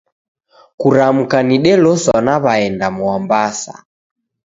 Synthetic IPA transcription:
kuɾam̩kaniɗɛlɔsɔnaβaɛndamuambasa̰

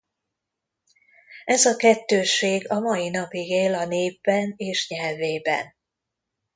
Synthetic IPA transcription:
ʔɛzɒkɛt̪ːøːʃeːɡɒmɒjinɒpiɡeːlɒneːbːɛneːʃɲɛlveːbɛ̰n

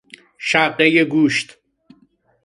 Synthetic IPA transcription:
ʃæbɢejeɡuːʃt̪

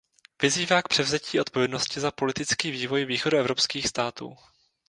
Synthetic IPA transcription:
v̥ɪziːvaːkpr̥ɛvzɛciːʔo̞t̪̚po̞vjɛdno̞scɪzapo̞lɪt̪ɪt͡skiːviːvo̞jviːxoduɛvɾo̞pskiːxst̪aːt̪ṵː

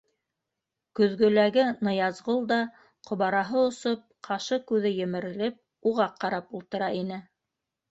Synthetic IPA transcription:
kɵ̆ðɡɵ̆læɡɘnɤ̆jɑzʁolˠd̪ɑ | qʰŏβɑɾɑɦɤŏsop̚qʰɑʃɤkʉðɘjɘ̆mɘ̆ɾɘ̆lɘp̚ | uʁɑqːɑɾɑpulˠt̪ɤ̆ɾɑinɘ

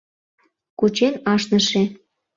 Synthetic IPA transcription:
kut͡ɕenɑʃnəʃĕ

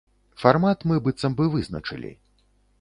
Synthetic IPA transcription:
farmat̪mɨbɨt̪sɐmbɨvɨznɐ̰t͡ʂɨ̰lʲḭ

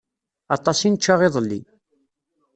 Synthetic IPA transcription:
ɑt̪ˤɑsinət͡ʃːaʁɪðˤəlːi

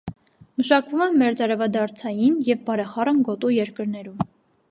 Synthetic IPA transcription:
məʃɑkvumɛmːɛɾt͡sɑɾɛvɑd̪ɑɾt͡sʰɑjinjɛvbɑɾɛχɑrənɡɔt̪ujɛɾkəɾnɛɾum

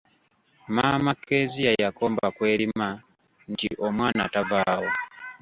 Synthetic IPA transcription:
maːmakʰːezijajako̞ːmbakwe̞ːɾima | ntiʔomwaːna̰tavaːwo

